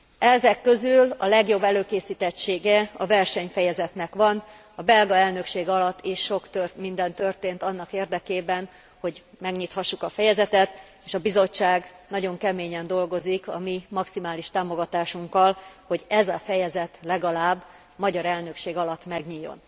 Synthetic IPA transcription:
ɛzɛkːø̞zylɒlɛɡjo̞bːɛløːkeːsiːt̪ɛt͡ʃːeːɡɛɒvɛrʃɛɲfɛjɛzɛt̪nɛkʋɒn | ɒbɛlɡɒɛlnø̞kʃeːɡɒlɒt̪ːiʃːo̞kt̪ørmind̪ɛnt̪ø̞rt̪eːnt̪ɒnːɒkeːrd̪ɛkeːbɛn | ho̞ɟ | mɛɡɲiːt̪hɒʃːukɒfɛjɛzɛt̪ɛt̪ | eːʃɒbizo̞t͡ʃːaːɡnɒɟo̞ŋkɛmeːɲɛnd̪o̞lɡo̞zikɒ̰mimɒksimaːliʃt̪aːmo̞ɡɒt̪aːʃuŋkːɒlho̞ɟɛzɒfɛjɛzɛt̪lɛɡɒlaːbː | mɒɟɒɾɛlnø̞kʃeːɡɒlɒt̪mɛɡɲijo̞̰n

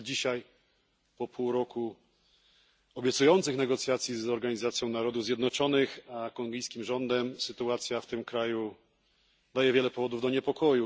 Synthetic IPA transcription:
d͡ʑiɕaj | pɔpʰuwɾɔku | ɔbʲjɛt̪sujɔnt̪sɘxnɛɡɔt̪sʲjat̪sʲjizɔɾɡaɲizat̪sʲjɔ̃w̃naɾɔd̪uvzjɛd̪nɔt͡ʂɔnɘxakɔŋɡʲijskʲimʐɔnd̪ɛmsɘt̪uat̪sʲjaft̪ɘmkɾaju | d̪ajɛvʲjɛlɛpɔvɔd̪uvd̪ɔɲɛpɔkʰɔju

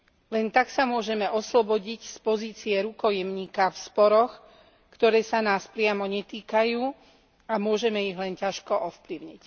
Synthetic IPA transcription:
lɛnt̪aksamʊɔʒɛmɛʔɔslɔbɔɟicspɔziːt͡siɛɾukɔjɛmɲiːkafspɔɾɔx | kt̪ɔɾɛːsanaːspɾɪamɔɲɛt̪iːkajuː | amʊɔʒɛmɛiɦlɛncaʃkɔʔɔfpliʊɲic

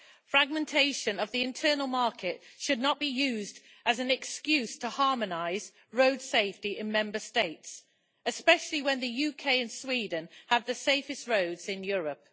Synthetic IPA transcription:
fɹaɡ̚mɨ̃ntʰeɪʃə̃nəvðiɪ̃ntʰɜːnəl̩ˠmɑɹkʰɪtʃɨdⁿnəʔ̚b̥ijʉːzd | ʔəzɨ̃nɛkskjʉz̥tʰəhɑɹmənaɪz | ɹoʊd̥seɪftiʔɪ̃nmɛ̃mbəsteɪts | ɨspɛʃl̩ˠiwə̃nðɨjʉkʰeɪɨ̃nswiːdⁿn̩əvðɨseɪfɨst̚ɹoʊdz̥ɪ̃njɔːɹəp̚

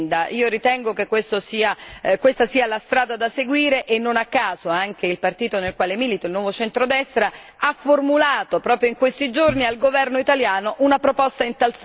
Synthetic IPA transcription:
nd̪aʔiːoɾit̪ɛŋɡokekːwest̪osiːakwest̪asiːalast̪ɾaːd̪ad̪aseɡwiːɾeʔenːonakːaːzoaŋk̟eilpart̪iːt̪onelkwaːlemiːlit̪oilnwɔːvot͡ʃɛnt̪ɾod̪ɛst̪ɾa | afːormulaːt̪opɾɔːpɾjoiŋkwest̪id͡ʒornialɡovɛrnoit̪aljaːnoʔunapɾopɔst̪aint̪als

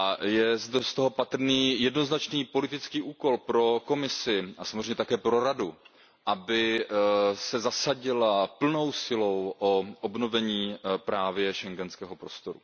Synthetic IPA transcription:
ʔajɛzdɛst̪o̞ɦo̞pat̪r̩niːjɛdno̞znat͡ʃniːpo̞lɪt̪ɪt͡skiːʔuːko̞lpɾo̞ko̞mɪsɪʔasamzremɲɛt̪akɛːpɾo̞ɾadu | ʔabɪ | sɛzasaɟɪlapl̩no̞wsɪlo̞wʔoʔobno̞vɛɲiːpɾaːvjɛʃɛŋɡɛnskɛːɦo̞pɾo̞st̪o̞ɾṵ

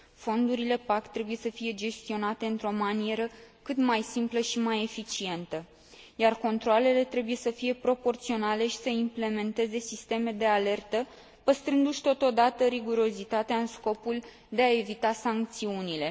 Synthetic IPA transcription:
fo̞nd̪uɾile̞pakt̪ɾe̞buje̞səfije̞d͡ʒe̞st̪io̞nat̪e̞ɨnt̪ɾo̞manie̞ɾəkɨt̪majsimpləʃimaje̞fit͡ʃie̞nt̪ə | jarko̞nt̪ɾoale̞le̞t̪ɾe̞buje̞səfije̞pɾo̞po̞rt̪sio̞nale̞ʃi̥səimple̞me̞nt̪e̞ze̞sist̪e̞me̞d̪e̞ale̞rt̪ə | pəst̪ɾɨnd̪uʃt̪o̞t̪o̞d̪at̪əɾiɡuɾo̞zit̪at̪eaɨnsko̞pul | d̪e̞ae̞vit̪asaŋk̚t̪siunile̞

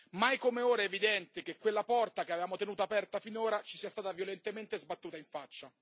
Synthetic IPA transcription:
majkomeoːɾaevid̪ɛnt̪ek̟ekːwelːapɔrt̪akeavevaːmot̪enuːt̪aːpɛrt̪afinoːɾat͡ʃi̥siːast̪aːt̪avjolent̪ement̪ezbat̪ːuːt̪aiɱfat͡ʃːa

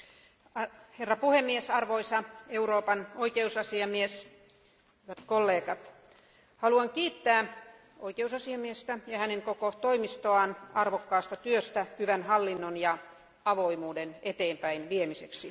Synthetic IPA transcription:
ɑherːɑpuhemːiesɑrʋoisɑeuɾoːpɑnoikeusɑsiɑmies | hyʋæt̪kolːeːkɑt̪ | hɑluɑŋkiːt̪ːæː | oikeusɑsiɑmiest̪æjɑhæneŋkokot̪oimist̪oɑːnɑrʋokːɑːst̪ɑt̪yøst̪æhyʋænhɑlːinːonjɑ | ɑʋoimuːdenet̪eːmpæinʋiemiseksi

